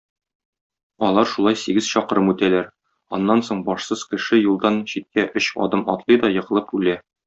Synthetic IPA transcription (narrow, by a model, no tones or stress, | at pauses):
ɒlˠɑɾʃulˠɑjsiɡɘz̥ɕɒqɤ̆ɾɤmʉt̪ælæɾ | ɒnːɑnsoɴbɒʃsɤz̥kɘ̆ʃɘjulˠd̪ɑnɕit̪̚kæʔɵɕɒ̰d̪ɤmɒt̪lˠɤjd̪ɒjɤ̆ʁɤ̆lˠɤpʉlæ